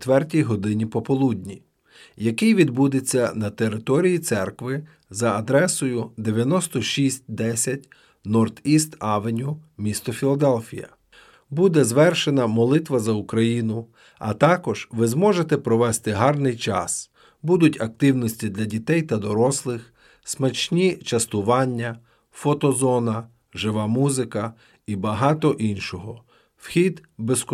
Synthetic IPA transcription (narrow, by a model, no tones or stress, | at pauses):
t̪ʋɛrtʲijɦɔd̪ɪnʲipɔpɔlˠudʲnʲi | jɐkɪjʋʲid̪bud̪et͡sʲːɐnɐt̪e̞ɾɪt̪ɔɾʲijit̪sɛrkʋɪ | zɐɐd̪ɾɛsɔjʊd̪eʋʲjɐnɔst̪ɔʃʲisʲt̚ʲd̪ɛsʲɐtʲ | nɔrt̪ist̪ɑʋenʲʊmʲist̪ɔfʲilˠɐd̪ɛlʲfʲḭjɐ̰ | bud̪ɛzʋɛrʃenɐmɔlˠɪt̪ʋɐzɐukɾɐjinʊ | ɐ̰t̪ɑkɔʒ̥ʋɪzmɔʒet̪ɛpɾɔʋɛst̪ɪɦɑrnɪjt͡ʃɑ̰s | bud̪ʊtʲɐk̚t̪ɪwnɔsʲtʲid̪lʲɐdʲit̪ɛjt̪ɐd̪ɔɾɔslˠɪx | smɐt͡ʃnʲit͡ʃɐst̪ʊʋɑnʲːɐ | fɔt̪ɔzɔnɐ | ʒɪʋɑmuzɪkɐ | ibɐɦɑt̪ɔʔinʃɔɦɔ | wxʲid̪besk